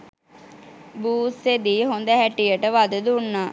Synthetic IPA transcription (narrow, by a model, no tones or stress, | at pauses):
buːsed̪iːɦond̪əɦæʈijəʈəʋad̪əd̪unːaː